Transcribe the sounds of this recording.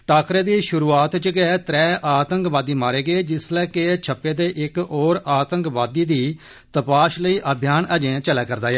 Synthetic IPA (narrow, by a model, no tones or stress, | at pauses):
ʈaːkɾeːd̪iːʃʊɾuːaːt̪t͡ʃɡɛːt̪ɾɛːʔaːt̪əŋkʋaːd̪iːmaːɾeːɡeːd͡ʒɪslɛːket͡ʃʰəpːeːd̪eːʔɪkɔːɾaːt̪ə̃ŋkʋaːd̪iːd̪iː | t̪əpaːʃləiːʔəbʱjaːnəd͡ʒẽːt͡ʃəlɛːkəɾd̪aːjɛː